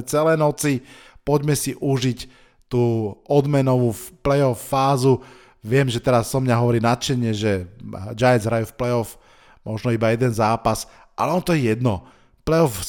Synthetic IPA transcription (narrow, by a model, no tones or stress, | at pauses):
t͡sɛlɛːnɔt͡sipɔɟmɛsiʔuʒic | t̪uːʔɔd̪mɛnɔʋuːplɛjɔfːaːzu | ʋɪɛmʒɛt̪ɛɾasːɔmɲaɦɔʋɔɾiːnat̪t͡ʃɛɲɪɛʒɛd͡ʒajɛnzɦɾajuːfplɛɔf | mʔɔʒnɔibajɛd̪ɛnzaːpas | ʔalɛɔnt̪ɔjɛjɛd̪nɔ | plɛɔf